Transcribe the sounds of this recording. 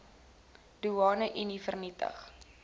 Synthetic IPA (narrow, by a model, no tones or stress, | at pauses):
d̥uɑːnəʔinifərnitə̰χ